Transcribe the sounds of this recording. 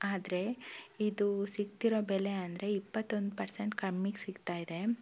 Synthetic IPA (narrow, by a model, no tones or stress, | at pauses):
aːd̪ɾe̞id̪usiɡt̪iɾo̞ːbeleɐnd̪ɐɾe̞ipːɐt̪ːo̞nd̪upɐɾseɳʈkɐmːiksiɡt̪aːjid̪e̞